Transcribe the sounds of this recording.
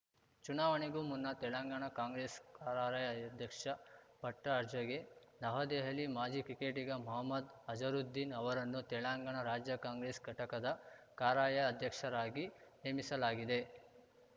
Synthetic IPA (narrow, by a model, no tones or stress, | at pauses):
t͡ʃunaːʋɐɳiɡumunːɐt̪ɛlɐŋɡaːɳɐkaːŋɡɾeːskaːɾaːɾaːjɐɐd̪ʱjɐkʂɐpɐʈːɐːɾd͡ʒɐɡe̞nɐɦɐd̪eːɦɐlimaːd͡ʒikɾikeːʈiɡɐmɔɦɐmːɐd̪ɐd͡ʒɐɾud̪ːinɐʋɐɾɐnːut̪ɛɭaŋɡaːɳɐɾaːd͡ʒjɐkaːŋɡɾeːsɡʱɐʈɐkɐd̪ɐkaːɾaːjɐːd̪ʱjɐkʂɐɾaːɡiɦeːmisɐlaːɡid̪e̞